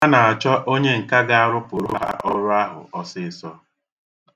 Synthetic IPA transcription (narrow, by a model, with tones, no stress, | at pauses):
a˦na˨a˨t͡ʃɔ˦ʔo˦ɲe˦ŋ̩˨ka˦ɡa˦a˦˨ɾʊ˦pʊ˨ɾu˦ɦa̰˦ʔɔ˦ɾʊ˦a˦ɦʊ̰˨ɔ˦sɪ˦sɔ˦